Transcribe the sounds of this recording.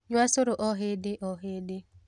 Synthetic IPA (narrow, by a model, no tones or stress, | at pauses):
ɲʊasʊɾʊʔɔɦedɪʔɔɦedɪ